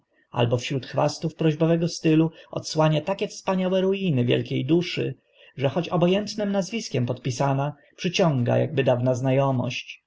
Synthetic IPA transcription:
a̰lbɔfɕɾut̪xfast̪ufpɾɔʑbɔvɛɡɔst̪ɘluɔ̰t̪swaɲat̪akʲɛfspaɲawɛɾujinɘvʲjɛ̰lkʲejd̪uʂɘ̰ | ʐɛxɔt͡ɕɔbɔjɛnt̪nɘmnazvʲiskʲɛmpɔt̪pʲisana | pʂɘt͡ɕɔ̃ŋɡa̰ja̰ɡ̚bɘd̪avnaznajɔmɔ̰ɕt͡ɕ

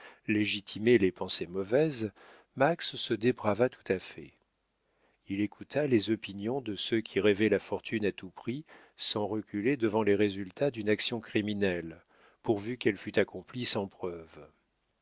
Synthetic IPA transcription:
leʒit̪ʰimelepɑ̃semɔvɛz | maksːəd̪ebʁavat̪u̥t̪afɛ | ilekʰut̪ʰalezɔpinjɔ̃d̪əsøkʲʰiʁevɛlafɔʁt̪ʰynat̪upχi | sɑ̃ʁəkʲyled̪əvɑ̃leʁezylt̪ad̪ynaksjɔ̃kχiminɛl | puʁvykɛlfyt̪akɔ̃plisɑ̃pχœv

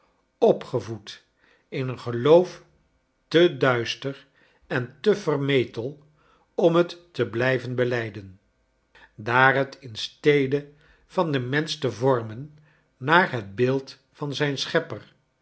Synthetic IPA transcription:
ɔpχəvut | ɪnənχəlowf | tədœɥstər | ɛntəvərmejtəlˠ | ɔmɦətːəblɛjvənbəlɛjdən | daːrɦətʰɪnstejdə | v̥ɑndəmɛnstəvɔɹmənː | aːɹɦəd̚bɪːlˠt | fɑnzɛjnsχɛpər

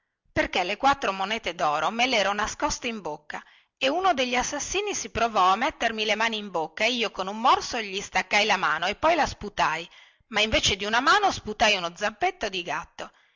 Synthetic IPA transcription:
perkelekwat̪ːɾomonɛːt̪ed̪ɔːɾomelɛːɾonaskɔst̪eimbokːa | eunod̪eʎːiasːasːiːnisipɾovɔamːet̪ːermilemaːniːmbokːaeiːokonumːɔrsoʎist̪akːajlama̰ːnoepːɔjlasput̪aj | maiɱveːt͡ʃed̪iunamaːnosput̪ajunod̪zampet̪ːod̪iɡat̪ːo

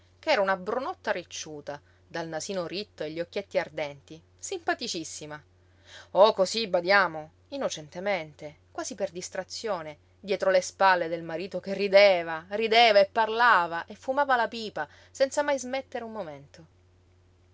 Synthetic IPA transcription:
kɛːɾaunabɾonɔt̪ːaɾit͡ʃːuːt̪a | d̪alnasiːnoɾit̪ːoeʎːiokːjet̪ːiard̪ɛnt̪i | simpat̪it͡ʃisːima | okozibad̪jaːmo | inːot͡ʃɛnt̪ement̪e | kwaːziperd̪ist̪ɾat̪sːjoːne | d̪jɛːt̪ɾolespalːed̪elmaɾiːt̪okerːid̪eːvarid̪eːvaepːarlaːvaʔefːumaːvalapiːpa | sɛnsamajzmet̪ːeɾeummoment̪o

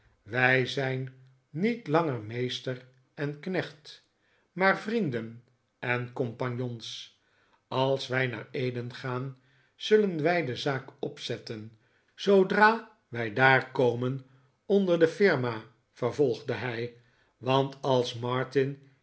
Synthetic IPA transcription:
ʋɛjzɛjnː | itlɑŋərmejstər | ɛnknɛχt | maːɹvrindən | ɛnkɔmpɑɲjons | ɑlˠsʋɛjna̰ːɹejdənχaːn | z̥ɵlənʋɛjdəzaːkɔpsɛtən | z̥owdraː | ʋɛjdaːrkowmən | ɔndəɹdəfɪɹma | fərvɔlˠχdəɦɛj | ʋɑntʰɑlˠsmɑɹtɪn

